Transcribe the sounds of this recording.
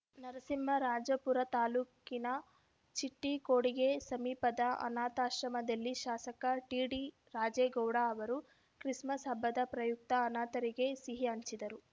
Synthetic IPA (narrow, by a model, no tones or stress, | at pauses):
nɐɾɐsimːɐɾaːd͡ʒɐpuɾɐt̪aːluːkinɐ | t͡ʃiʈːikoːɽiɡe̞sɐmiːpɐd̪ɐɐ̰naːt̪aːʃɾɐmɐd̪ɐlːiʃaːsɐkɐʈiːɽi | ɾaːd͡ʒeːɡɐwɽaɐʋɐɾu | kɾismɐsɐbʱɐd̪ɐpɾɐjuk̚t̪ɐːnaːt̪ɐɾiɡe̞siɦiɐɲt͡ʃid̪ɐɾu